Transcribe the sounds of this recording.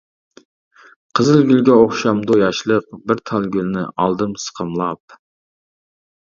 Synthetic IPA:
qʰəzɨlˠɡʲylɡʲɛoχʃɑmd̪ujɑʃlˠəq̚bɪɾt̪ʰɑlˠɡʲylnɪ̰ʔɑ̰lˠd̪ɨmsə̥qʰəmlˠɑp̚

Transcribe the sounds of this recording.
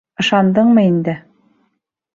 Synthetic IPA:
ɤ̆ʃɑnd̪ɤɴmɤind̪ɘ

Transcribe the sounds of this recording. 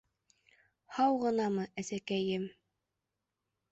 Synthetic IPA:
hɑwʁɤ̆nɑmɤʔæsækæjɘm

